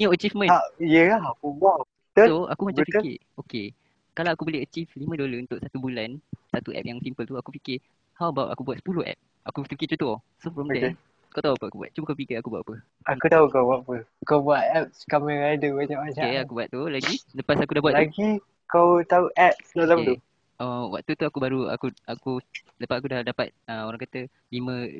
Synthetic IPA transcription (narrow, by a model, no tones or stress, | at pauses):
ət͡ʃifmə̃naijəlahakubua | t̪əoa̰kumat͡ʃapikɪ̰ | oke | kalawakuboleɦət͡ʃiflimə̃doləunt̪ʊʔsat̪ubulansat̪uʔɛ̰p̚jaŋsimpəlt̪uakupikɪ | hawbawʔa̰kubwat̪̚sə̥pulohɛ̰p̚ | akut̪pikit͡ʃut̪ɔ | sofɾɔmtɛ | kawt̪auapəakubua̰t̪̚t͡ʃuməkaupikɪakubua̰ʔpə | akut̪aukawwaʔpəkawbuaʔ̪̚ɛp̚skaməɾadəwat͡ʃamat͡ʃakeakubuat̪̚t̪ulaɡiləpasakudahbuatlaɡi | kawt̪auʔɛp̚snalamət̪u | ʔowa̰ʔ̚t̪ut̪uakubaɾua̰kuaku | ləpat̪̚akudadapa̰t̪̚əoɾaŋkat̪ə | limə̃